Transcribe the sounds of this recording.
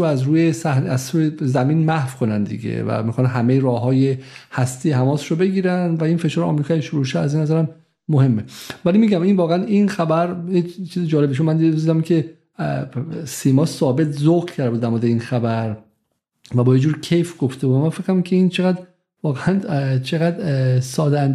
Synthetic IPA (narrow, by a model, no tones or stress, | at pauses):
oæzɾuːjesæhnæzuːjezæmiːnmæhvkʰo̞nænd̪ḭɡḛvæ̰mixɒːnɦæmejeɾɒːɦɒːje̞hæst̪ʰiːhæmɒːsʃobe̞ɡiːɾænd̪væinfe̞ʃɒːɾeɒ̰mɾikʰɒːʃuɾuʃeæzinːæzæɾæmː | ohe̞mːevælimiɟæminvɒːɣeæninxæbæɾjet͡ʃʰiːzed͡ʒɒːlebiʃ̬omænd̪id̪ed̪id̪æmkʲʰe̞ | siːmɒːsɒːbe̞t̪ʰzoɣcʰæɾd̪euːd̪ːæɾmɔːd̪einxæbæɾ | væbɒːjed͡ʒuːɾcʰe̞jfɡ̥oft̪ʰebud̪æmænfeɣɾæmcʰeint͡ʃʰeɣæd̪ | vɒːɣeænt͡ʃʰeɣæd̪sɒːd̪ænd̪